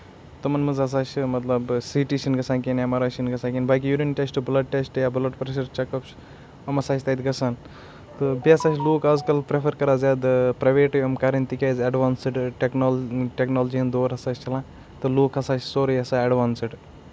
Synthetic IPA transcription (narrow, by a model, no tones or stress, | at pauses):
t̪ɨmɐnmɨzɐs̬aːt͡ʃʰmɐt̪lɐbsiʈiʃinɡɐsãːkinjamɐɾaːʃinɡɐsãːkʲinbaːk̬ʲijuɾinʈʲesʈblɐɖ̚ʈesʈjaːbulɐʈpɾeʃ̬ɐɾt͡ʃɐkɐpt͡ʃʰ | ɐmɐsaːt͡ʃʰt̪ɐd̪ɡɐsan | t̪ɨbiɐsaːt͡ʃʰloːkaːzkɐlpɾepʰɐɾkɐɾaːzaːd̪ɨpɾɐʋeːʈʲɐmkaɾɐnt̪ikʲeːzɐɖʋaːnsiɖʈeknoʈeknoːld͡ʒiɐnd̪oːɾɐsaːt͡ʃʰt͡ʃʰɐlãː | t̪ɨloːkɐsaːt͡ʃʰsoːɾɐjɐsaːɐɖʋaːnsɨɖ